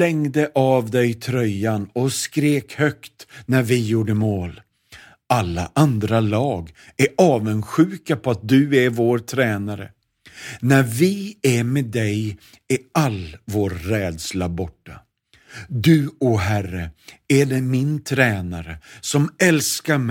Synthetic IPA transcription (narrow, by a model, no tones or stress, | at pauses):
lɛŋd̪əʔavd̪ɛjt̪ʰɾœjːanɔskɾeːkhœkt̪næɾvɪjuːɖəmoːl | alːa̰ʔand̪ɾalɑːɡ | æɾɑːvənɧʉ̟ːkapʰɔat̪̚d̪ɵæɾvoːɾt̪ʰɾɛːnaɾə̰ | nævɪæmeːd̪ɛj | ɪalvoːɾːɛːd̪slabɔʈːa | d̪ɵɔɦærəæɖɛmɪnt̪ʰɾɛːnaɾəsɔmɛlskaɾmɛ